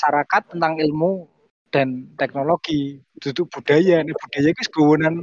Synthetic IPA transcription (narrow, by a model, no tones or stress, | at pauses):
saɾakat̪ːənt̪aŋilmu | d̪̥a̤nt̪ɛk̚noloɡ̥i | d̪̥ud̪t̪ʊʔb̥ud̥a̤janɛb̥ud̥a̤jakusɡ̥o̤wonan